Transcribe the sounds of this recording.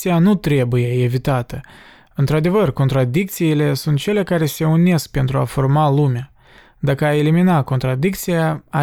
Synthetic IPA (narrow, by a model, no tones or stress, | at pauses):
ijanut̪ɾe̞buje̞evit̪at̪ə | ɨnt̪ɾad̪e̞vərko̞nt̪ɾad̪ik̚t̪siːle̞sunt̪̚t͡ʃe̞lekaɾe̞se̞une̞sk̚pe̞nt̪ɾuafo̞rmalumea | d̪akəae̞liminako̞nt̪ɾad̪ik̚t̪sijaa